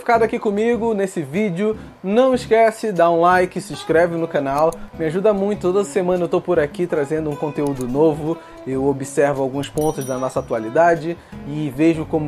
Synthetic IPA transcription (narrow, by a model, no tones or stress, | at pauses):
fi̥kad̪ʊakikõmiɡʊnesɪvid͡ʒɪʊ | nɐ̃w̃miʃkɛsɪd̪aũlajkɪsɪ̃ʃkɾɛvɪnʊkɐnawmɪaʒud̪ɐmũj̃t̪ʊ̥t̪od̪ɐzɐsemɐ̃nɐewt̪owpʊɾakit̪ɾazẽnd̪ʊũkõnt̪eud̪ʊnovʊ | ewobisɛɾvʊawɡũspõnt̪ʊzd̪ɐnɔsɐat̪ualid̪ad͡ʒɪɪveʒʊkõmʊ